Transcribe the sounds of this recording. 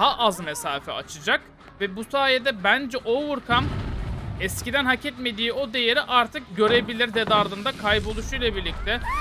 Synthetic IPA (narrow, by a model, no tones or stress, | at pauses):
ɦaʔazmɛsaːfɛ̰at͡ʃʰɯd͡ʒak | vɛbusaːjed̪ɛbænd͡ʒɛʔo̞vuɾkʰam | ɛscid̪ænhacʰɛt̪me̞d̪iːo̞d̪e̞je̞ɾiʔaɾt̪ʰɯk̚ɟø̞ɾe̞bilʲiɾd̪ed̪aɾd̪ɯnd̪akʰajbo̞lˠuʃujlʲˠabiɾlʲic̚t̪ʰɛ